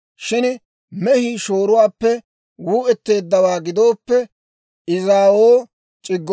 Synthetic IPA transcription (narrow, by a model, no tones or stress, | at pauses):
ʃɪn | mɛhiːʃo̞ːɾʊwaːpːɛ | wuːʔɛt̪ːe̞ːd̪ːɐwaːɡɪd̪o̞ːpːɛ | ʔɪzaːwoː | t͡ʃʼɪɡː